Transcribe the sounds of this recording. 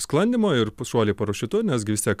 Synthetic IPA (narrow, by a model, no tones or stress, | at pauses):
sklˠɐnd̪ʲɪmoːɪɾʃuɔlʲiːpɐɾuːʃʲɪt̪ʊnʲɛsɡʲɪʋʲɪst̪ʲiɛk